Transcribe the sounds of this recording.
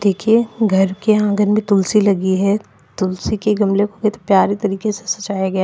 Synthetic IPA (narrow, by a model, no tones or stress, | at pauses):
d̪eːkʰieɡʱɐɾkeãːɡənmẽt̪ʊlsilɐɡiɦɛ | t̪ʊlsikeɡɐmlekoɡet̪opjaːɾit̪ɐɾiːkese̥sɐt͡ʃaːjaɡɐja